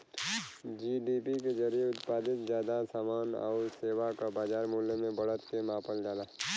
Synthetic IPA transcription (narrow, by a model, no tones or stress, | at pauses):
d͡ʒiːɖipiked͡ʒɐɾijeʊt̪paːd̪ɪt̪zjaːd̪asaːmaːnɔ̰ːɾseːʋakabaːd͡ʒaːɾmuːljəmẽbɐɽ̤ət̪kemãːpəld͡ʒaːla